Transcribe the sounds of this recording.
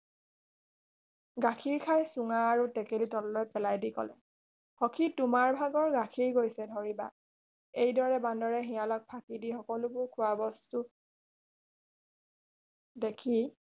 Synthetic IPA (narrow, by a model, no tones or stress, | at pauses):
ɡakʰiɹkʰajsʊŋaːɹutɛkelitɔlːɔjpɛlajdikɔ̰lɛ̰ | xɔkʰitʊmaɹbʱaɡɔɹɡakʰiɹɡojsɛdʱɔɹiba̰ | ejdɔɹɛbandɔɹɛɦijalɔk̚pʰakidixɔkɔlʊbʊɹkʰʊabɔstu | dekʰi